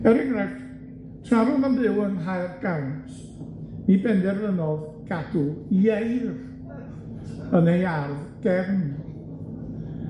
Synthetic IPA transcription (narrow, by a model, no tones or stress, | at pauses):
ɛɾɪɡrɛχ | tʰraɾʊvanðɪwənɦajrɡ̥awntʰ | nibɛndɛrðənɔðɡ̥ad̥ujejr | ənejarðɡ̥ɛvn